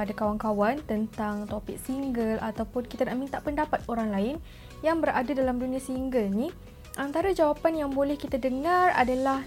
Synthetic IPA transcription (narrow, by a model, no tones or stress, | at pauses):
adakawaŋkawant̪ənt̪aŋt̪opɪk̚siŋɡəlʔat̪awpʊnkit̪anaʔmint̪aʔpəndapat̪̚oɾaŋlaɪn | jaŋbəɾʔadadalamdunĩasiŋɡəlnĩ | ʔant̪aɾad͡ʒawapanjaŋbolɛhkit̪adəŋãra̰dalah